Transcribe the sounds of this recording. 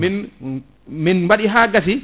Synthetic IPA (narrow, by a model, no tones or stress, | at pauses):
min | minwaɗiɦaːɡas̬i